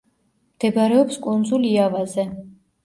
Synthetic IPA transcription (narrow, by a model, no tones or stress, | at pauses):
md̪̥ɛbaɾɛɔpskʼund̪zuliavazɛ